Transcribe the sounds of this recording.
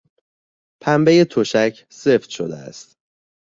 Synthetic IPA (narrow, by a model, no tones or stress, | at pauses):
pʰæmbeje̞t̪ʰoʃæcʰ | se̞ft̪ʃod̪ḛæ̰st̪